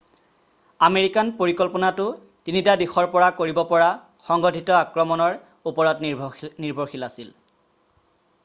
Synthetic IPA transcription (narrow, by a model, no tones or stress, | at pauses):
ameɹikanpoɹikɔlpɔnatʊ | tinitadixɔɹpɔɹakoɹibɔpɔɹa | xɔŋɡɔtʰitɔakɹɔmɔnɔɹ | upɔɹɔtniɹbʱoɹxilasil